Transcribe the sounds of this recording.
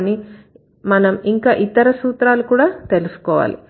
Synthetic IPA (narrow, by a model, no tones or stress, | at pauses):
ni | mɐnɐmiŋkaːʔit̪ɐɾɐsuːt̪ɾaːlukuːɽaːt̪e̞lusu̥kɔːʋa̰ːlḭ